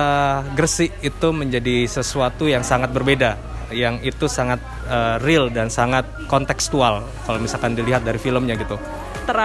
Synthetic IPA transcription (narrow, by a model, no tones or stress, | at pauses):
əɡərsɪʔit̪uməɲd͡ʒadisəsuat̪ujaŋsaŋat̪̚bərbeda | jaŋit̪usaŋat̪̚ | ərɪldansaŋat̪̚kɔnt̪ɛkst̪ual | kalomisalkandiliɦat̪̚daɾifiləmɲaɡit̪u | t̪əɾ